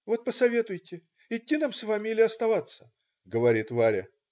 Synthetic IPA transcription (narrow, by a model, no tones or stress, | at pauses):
vo̞t̪̚pəsɐvʲet̪ʊjtʲɪ | ɪtʲːinamsvamʲɪlʲɪɐst̪ɐvat̪sːə̥ | ɡəvɐɾʲit̪vaɾʲɪ̰